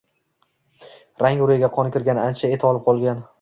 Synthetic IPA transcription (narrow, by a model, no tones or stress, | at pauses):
ɾaŋʊɾɪjɡʲaqʰɒnɪkʲʰɪɾɡʲanɪant͡ʃʰaet̪ʰɒlɪp̚qʰɒlˠɡʲan